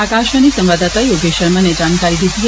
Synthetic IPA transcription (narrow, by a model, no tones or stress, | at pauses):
akaʃənisə̃mʋad̪at̪ajoɡeʃəɾməned͡ʒankaɾid̪ʱid̪i